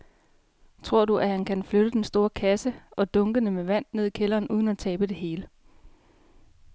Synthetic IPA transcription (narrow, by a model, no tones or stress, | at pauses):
t͡sʰʁo̝ɐ̰duʔæhænkʰænfløɾ̥əd̥ensd̥o̝ːɐkʰæsəʔɒ̽d̥ɔ̽ŋɡ̥ənəmeʋæn̰ne̝ð̞̰ˠikʰelɐːnuːð̞ˠn̩æt͡sʰɛːb̥əd̥e̝ɦe̝ːlə